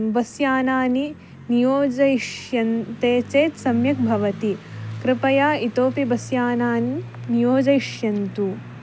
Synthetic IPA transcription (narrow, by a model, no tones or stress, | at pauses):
bɐsjaːnaːni | nijoːd͡ʒɐiʂjɐnt̪eːt͡ʃeːt̪sɐmjɐk̚bʱɐʋɐt̪ikɾɪpɐjaːit̪oːpibɐsjaːnaːninijoːd͡ʒɐiʂjɐnt̪u